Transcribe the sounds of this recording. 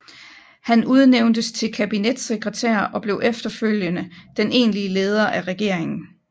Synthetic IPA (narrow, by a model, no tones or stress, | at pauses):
hænuð̞ˠneʊnd̥əst͡sʰe̝lkʰæb̥ined̥seɡ̥ʁɛt͡sʰḛɐʔɒ̽b̥le̝ʊʔefd̥ɐføljənəd̥ene̝̰ːnliəle̝ːð̞ˠɐʔæʁɛɡ̥e̝ɐ̰e̝ŋn̩